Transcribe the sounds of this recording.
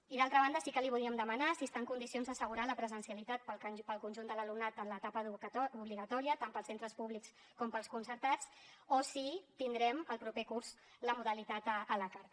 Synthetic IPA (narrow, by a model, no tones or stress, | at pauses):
iðalˠt̪ɾəβand̪əsikəliβuðiəmd̪əmənasiəst̪aəŋkunisionzðəsəɣ̞uɾaləpɾəzənsiəlit̪at̪̚ppəlˠkunʲʒund̪ələlumnat̪ənlət̪apəuɔuβliɣət̪ɔɾiət̪ampəlˠsent̪ɾəspuβliks | kɔmpəlˠskunsəɾt̪at͡sosit̪ind̪ɾɛməlˠpɾupekuɾz | ləmuðəlit̪at̪əʔːlakaɾ